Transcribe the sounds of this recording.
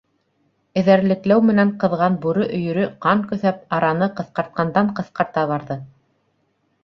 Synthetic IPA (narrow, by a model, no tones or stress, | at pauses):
ɘ̆ðæɾlɘ̆klæwmɘ̆næɴqɤ̆ðʁɑnbuɾɵʔɵ̆jɵ̆ɾɵqɑɴkɵ̆θæp̚ɑɾɑnɤqɤ̆θqɑɾt̪̚qɑnd̪ɑɴqɤ̆θqɑɾt̪ɑβɑɾðɤ